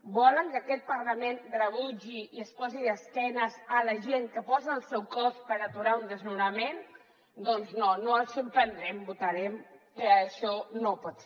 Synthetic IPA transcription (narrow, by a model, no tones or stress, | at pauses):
bɔləŋkəəkɛt̪̚pəɾləmend̪rəβuʒiiəspɔziəskɛnəzələʒeŋkəpɔziːlˠsɛwkɔspəɾət̪uɾaund̪əznuɾəmen | d̪ɔnznonoəlˠsəmpɾənd̪ɾɛmbut̪əɾɛmkəʃɔnopɔt̪